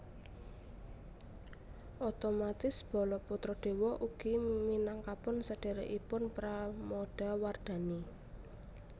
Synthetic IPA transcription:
ʔot̪omat̪ɪsb̥ɔ̤lɔput̪ɾɔɖ̪̥e̤wɔʔuɡ̥iminaŋkapʊnsəɖ̥e̤ɾeʔipʊnpɾamoɖ̥a̤ward̪̥a̤ni

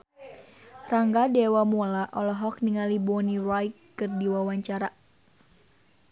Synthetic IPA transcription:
raŋɡadewamolaʔɔlɔɦɔk̚niŋalibɔnirajkː | ɨrdiwawaɲt͡ʃaɾa

